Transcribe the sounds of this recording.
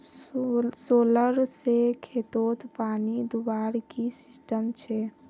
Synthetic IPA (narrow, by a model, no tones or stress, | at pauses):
soːləɾsekʰet̪ot̪paːnid̪ubaɾkisɪsʈəmt͡ʃʰɛ